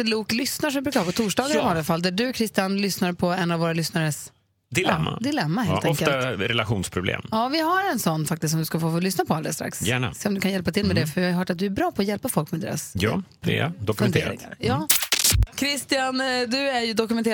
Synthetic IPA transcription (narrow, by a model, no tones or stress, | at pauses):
luːklʏsnaʂɔmvɪbɾʉːkahɑːpɔt̪ʰuːʂɖɑːɡanɪvalːafalːd̪æɖɵkʰɾɪst̪ɪjanlʏsnaɾpʰɔɛnːavoːɾalʏsnaɾəs | d̪ɪlɛmːa̰d̪ɪlɛmːahelɔŋftkəlɾɛlaɧuːnspʰɾʊblḛːmjɑːvɪɦaɾɛnsɔnːfak̚t̪ɪst̪sɔmd̪ɵskafoːflʏsnapʰɔald̪əst̪ɾa̰ksjæːɳa̰seːɔmd̪ɵkanjɛlpat̪ʰɪlmɛd̪ɛfœɾjɪhaɦœːʈat̪̚d̪ɵæɾbɾɑːpʰɔjɛlpafɔlkmɛd̪ḛːɾa̰sj̰ | d̪ɔkɵnd̪ḛːɾɪ̰a̰ɾjɑː | kʰɾɪst̪ɪjand̪ɵæɾjɵd̪ɔkɵmɛnt̪eː